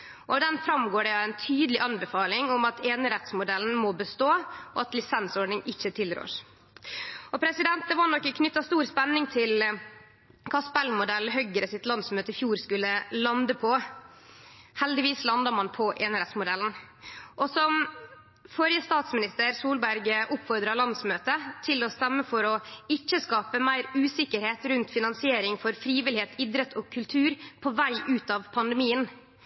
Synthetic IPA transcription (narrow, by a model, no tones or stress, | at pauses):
ʔɔd̪ɛnfɾɑmɡoːɖɛɑæɪnt̪ʰyːd̪əlɪʔɑnbɛfɑːlɪŋɔmɑt̪ʰeːnəɾɛt̪smʊd̪ɛln̩mɔbəst̪oːɔɑt̪lɪsɛnsɔɖɳnɪŋɪçːət̪ʰɪlɾø̰ːʂ | ɔpʰɾɛsɪd̪ɛnt̪̚d̪ɛʋɑnɔkːəkʰnʏt̪ːɑst̪uːɾspɛnːɪŋt̪ʰɪl | kʰɑspɛlːmʊd̪ɛlːɦœɡəɾəsɪt̪lɑnsmøːt̪əɪfjuːɾskʉlːəlɑnd̪əpʰɔ | hɛld̪ɪʋiːslɑnd̪ɑɾmɑnpʰɔʔɛnæɾɛsmʊd̪ɛln̩ | ʔɔsɔm | fɔɾjəst̪ɑːt̪smɪnɪst̪əɾsuːlbæɾɡʔʊpfɔɾd̪ɾɑlɑnd̪smøːt̪ət̪ʰɪlɔst̪ɛmːəfɔɾɔɪt͡ʃːəskɑːpəmæɪɾʉːsɪkəɾheːt̪ɾʉnt̪fɪnɑnsɪeːɾɪŋfɔɾfɾiːʋɪlɪheːt̪ɪd̪ɾət̪ʰɔkʰʉlt̪ʰʉːɾpʰɔʋæɪʔʉːt̪ɑʋpʰɑnd̪ɛmiːən